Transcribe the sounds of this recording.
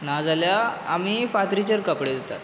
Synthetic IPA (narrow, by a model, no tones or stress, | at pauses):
nad͡zaljaːmiːfat̪ɾit͡ɕəɾkəpɽed̪ot̪at̪